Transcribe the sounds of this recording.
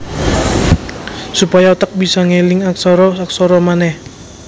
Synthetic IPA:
supajaut̪ək̚bisaŋelɪŋak̚sɔɾɔak̚sɔɾɔmanɛh

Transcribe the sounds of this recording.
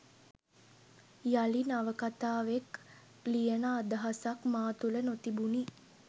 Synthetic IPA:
jalinaʋəkat̪aːʋek | lijənaːd̪əɦasakmaːt̪ulənot̪ibuni

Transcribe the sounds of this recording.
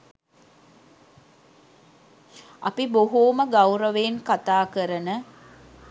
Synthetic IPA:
ɐpiboɦuːməɡawɾəʋeːnkat̪aːkəɾənə

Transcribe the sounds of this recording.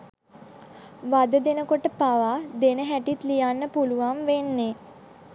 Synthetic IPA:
ʋad̪əd̪enəkoʈəpaʋaːd̪enəɦæʈit̪lijanːəpuluʋamʋenːe

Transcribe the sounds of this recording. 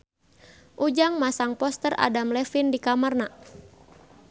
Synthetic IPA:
ʔud͡ʒaŋmasaŋpɔst̪əra̰damlɛfindikamərna

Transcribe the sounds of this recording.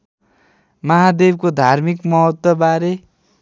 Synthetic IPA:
mʌɦad̪eb̚kod̪ʱarmikmʌɦʌt̪ːwɔbaɾe

